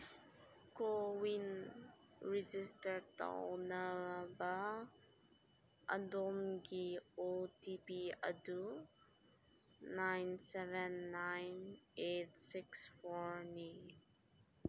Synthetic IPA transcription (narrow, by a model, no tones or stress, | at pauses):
kowin | ɹid͡ʒistəɾta̰wnəba | ʔə̰domɡiotipiə̰du | najnsɛvɛnːajnetsiksfɔɹnin